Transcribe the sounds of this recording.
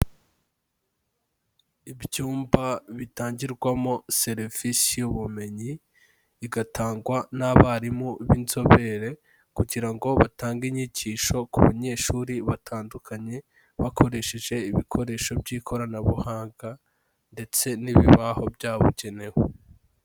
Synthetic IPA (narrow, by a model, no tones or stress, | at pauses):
ibjuːmbaβitaːɲɟiɾɡwamose̞ɾfisijuβume̞ɲi | iɡatʰaːŋɡwanaβaɾimoβinzo̞βe̞ɾe̞ | kuɟiɾaŋɡo̞βataːŋɡiɲiɟiʃo̞kuβaɲe̞ːʃuːɾiβatʰaːndukʰaɲe̞ | βakʰo̞ɾe̞ʃeʒe̞iβikʰo̞ɾe̞ːʃo̞bɟiːkʰo̞ɾanaβuhaːŋɡa | nde̞t͡se̞niβiβaho̞bjaːβṵɟene̞ho